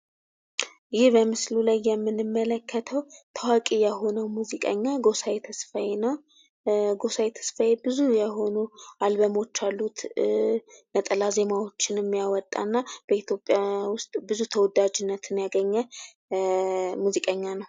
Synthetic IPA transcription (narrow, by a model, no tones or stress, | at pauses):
jɪhbəmɨslulajːɛmːɨnɨmːələkʰːət̪ʰəwt̪ʰawakʼijɛho̞nəwmuzikʼə̰ɲːaɡo̞sajet̪ʰəsfajenəw | ɡo̞sajet̪ʰə̥sfajebɨzujɛɦo̞nualbəmo̞t͡ʃːalːut̪ | nət̪ʼəlaze̞mawo̞t͡ʃːɪnɨmːijawɔt̪ʼːa̰nːab̥əit̪jo̞pʼjawʊst̪ʼbɨzut̪ʰəwɔd̪ad͡ʒɪnːət̪ʰɨnjaɡəɲːɛ | muzikʼəɲːanəw